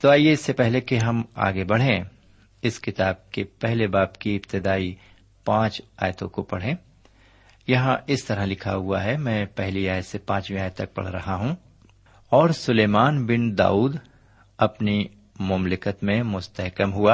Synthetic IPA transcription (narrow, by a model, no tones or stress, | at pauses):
t̪oaːieɪsːepɛɦlekeɦɐma̰ːɡebɐɽ̤ẽ | ɪskɪt̪aːb̚kepɛɦlebaːpkiɪpt̪ɪd̪aːi | pãːt͡ʃaːjt̪õkopɐɽ̤ẽː | jɐɦãʔɪst̪ɐɾəɦlɪkʰa̰ɦʊaɦɛmɛ̃ːpɛɦliaːjt̪sepãːt͡ʃmĩaːjt̪ːɐk̚pɐ̰ɽ̤ɾɐ̰ɦaɦũ | ɔːɾsʊleːmaːnbɪnd̪a̰ːuːd̪ | ɐpni | mʊmlɪkət̪mẽmʊst̪əɦkəmɦuaː